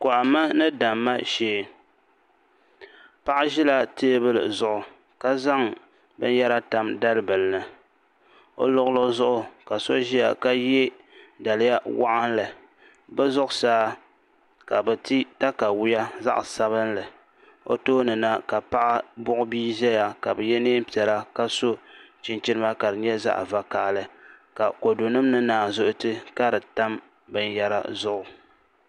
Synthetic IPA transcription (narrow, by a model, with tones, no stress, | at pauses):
kʊ˨ʔa˨ma˦nɨ˦da˨mːa˦ʃeː˦ | pa˦ʔa˦ʒi˦la˦teː˦bɨ˦lɨ̰˨zʊ˦ʔʊ˨ | ka˦za˦ŋ | bɨ̰˦n˦ja˦ɾa˦ta˦mda˦lbɨ˨lɨ˨nɨ˦ | o̰˦lʊ˦ɣʊ˦lo˦zʊ˦ʔʊ˦ka˨so˦ʒi˦ja̰˨ka˦jɛ˦ | da˨lɪ˦ja˦wa̰˦ʔa˦nlɨ˨ | bɛ˦zʊ˦ʔʊ˨saː˦ | ka˨bɨ˨ti˦ta˦ka˨wʊ˦ja˦za̰˦ʔsa˦βɨ˦nlɨ˨ | o̰˦toː˦nɨ˨na˦ka˨pa˦ʔa˦bʊ˦ʔʊ˦biː˦ʒɛ˦ja˨ka˨bɨ˨jɛ˦neː˦m˦pi˨ɛ˨la˦ka˦so˦t͡ʃɪ˨nt͡ʃi˦ɾɨ˦ma˦ka˨ɾɨ˨ɲɛ˦za̰˦ʔva˦kaː˨lɨ˨ka˨ko˨do˨nɨ˦mnɨ˦naː˨zʊ˦ʔʊ˦tɨ˦ka˦dɨ˨ta˦m | bɨ˨n˦ja˦ɾa˦zʊ˦ʔʊ˨